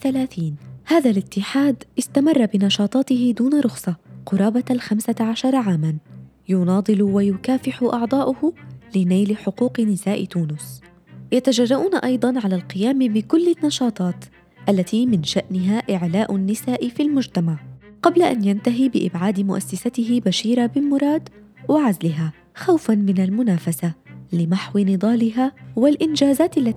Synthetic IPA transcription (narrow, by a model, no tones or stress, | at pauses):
θalaːθiːnhaːðalɪt̪ːɪħaːd̪ʔɪst̪amɑrˤːɑbɪnɑʃɑːt̪ˤɑːt̪ɪɦɪd̪uːnaɾˤʊxsˤɑqʊɾˤɑːbalxamsaʕaʃɑɾˤɑʕaːman | jʊnɑːd̪ˤɨlwajʊkaːfɪħʊʔɑʕd̪ˤɑːʔʊhʊlɪnajlɪħʊquːqnɪsaːʔɪt̪uːnʊs | jat̪ad͡ʒɑrˤːɑʔuːnaʔɑjd̪ˤɑnʕalaːlqɪjaːmbɪkʊlːɪnːɑʃɑːt̪ˤɑːt̪ | ʔalːat̪iːmɪnʃaʔnɪɦaːʔɪʕlaːʔʊnːɪsaːʔɪfilmʊd͡ʒt̪amaʕqɑblaʔa̰njant̪aɦiːbɪʔɪ̰bʕaːd̪ɪmʊʔa̰sːasat̪ɪɦɪbaʃiːɾabɪlmʊɾˤɑːd̪ | waʕazlɪɦaː | xawfanmɪnalmʊnaːfasalɪmaħwɪnɨd̪ˤɑːlɪɦaːwalʔɪnd͡ʒaːzaːt̪alːa